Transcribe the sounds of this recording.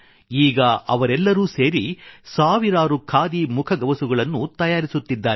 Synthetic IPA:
iːɡɐɐʋɐɾɛlːɐɾuːseːɾisaːʋiɾaːɾukʰaːd̪imukʰɐɡɐʋɐsuɡɐɭɐnːut̪ɐjaːɾisut̪ːid̪ːaːɾ

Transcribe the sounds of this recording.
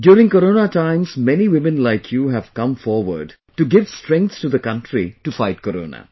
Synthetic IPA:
ɖjuːɾɪ̃ŋkɔɾoːnaʈãɪ̃mzmɛniwɪmə̃nlaɪkʰjuːɦæv̥kʌ̃mfɔːɾʋə̰ɾɖ | ʈuɡɪʋsʈɾɛ̃ŋk̚t̪sʈud̪əkʌ̃nʈɾiʈufaɪʈ̚kɔɾõ̰ːna̰

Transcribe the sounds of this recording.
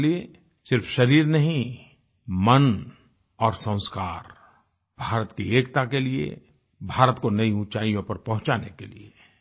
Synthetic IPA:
lie | sɪɾfʰʃɐɾiːɾnɐɦĩ | mən | ɔːɾsə̃ʊ̃skaːɾ | b̥ʱaːɾət̪kieːkt̪akeliḛ | bʱaːɾət̪konɐiũt͡ʃaːijõpɐɾpɐ̃ɦʊ̃t͡ʃaːnḛkḛlḭe

